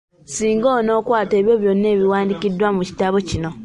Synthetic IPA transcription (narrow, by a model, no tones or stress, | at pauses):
siːŋɡoːno̞ːkwaːte̞ːβjoβjo̞nːe̞ːβiwaːndikidːwamuci̥taβo̞cino̞